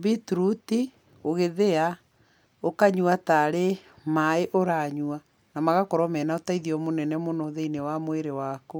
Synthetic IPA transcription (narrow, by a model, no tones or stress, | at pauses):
bituɾuti | oɣeðea | okaɲwataɾemaeʔoɾaɲua | namaɣakɔɾɔmɛnaotaiðiɔmonɛnɛmonɔðeinewamoeɾewako